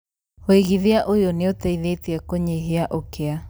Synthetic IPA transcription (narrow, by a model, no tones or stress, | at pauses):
weɣiðeaʔojoneotɛiðeteɛkoɲeɦeaʔokea